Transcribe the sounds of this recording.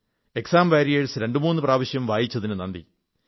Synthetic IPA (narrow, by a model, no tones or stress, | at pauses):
e̞ksaːmʋaːɾijeɻsɨɾe̞ɳɖɨmuːnːɨpraːʋɐɕjɐmʋaːjit͡ɕːɐðinɨnɐnd̪ḭ